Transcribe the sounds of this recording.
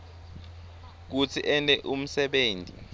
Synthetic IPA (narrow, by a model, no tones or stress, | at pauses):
k̬ut͡sʰiʔɛntʼɛʔum̩sɛɓeːntʼḭ